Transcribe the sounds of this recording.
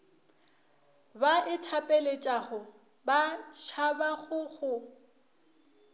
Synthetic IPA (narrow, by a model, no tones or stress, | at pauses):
baʔɪtʰapʼelet͡ʃʼaɣʊ | bat͡ʃʰabaɣʊɣʊ